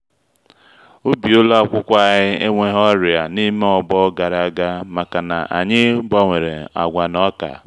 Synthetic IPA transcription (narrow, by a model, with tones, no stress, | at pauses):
o˦bi˨o˦la˦kʷʊ˦kʷa˦ɲɪ˦e˦ŋʷe˦ɦɔ˦ɾɪ˨a˨ni˦me˦ɔ˨bɔ˦ɡa˨ɾa˦ɡa˦ma˨ka˨na̰˨ʔa̰˨ɲɪ˦ba˦ŋʷe˨ɾe˨a̰˨ɡʷa˨nɔ˦ka̰˨